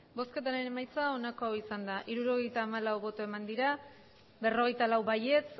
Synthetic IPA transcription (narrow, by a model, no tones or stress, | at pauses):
bo̞ske̞t̪aɾene̞majt͡sao̞nako̞awisand̪aʔiɾuɾo̞ɣ̞e̞jt̪aːmalawβo̞t̪oe̞mand̪iɾa | be̞ro̞ɣe̞jt̪alawβaje̞t͡s